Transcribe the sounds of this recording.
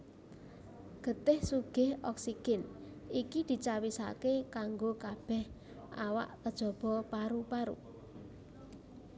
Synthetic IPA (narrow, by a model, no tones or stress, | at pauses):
ɡ̥ə̤t̪ɪhsuɡ̥ɪhɔksiɡ̥ɪnikid̪̥i̤t͡ʃawisa̰kekaŋɡokab̥ɛ̤h | ʔawa̰ʔt̪əd̥ʒ̥ɔ̤b̥ɔ̤paɾupaɾṵ